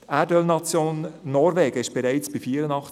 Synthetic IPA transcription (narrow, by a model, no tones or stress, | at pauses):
tædœlnɑt͡sjoːnːɔɾvɛːɡ̥əɪʃb̥ɛɾɛɪt͡sb̥ifiːɾənɑχt͡s